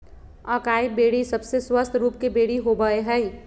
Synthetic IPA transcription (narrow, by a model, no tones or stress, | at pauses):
aːkaːibeːɽisɐbseswəst̪ʰɾuːp̚kebeːɽiɦobəeɦɛi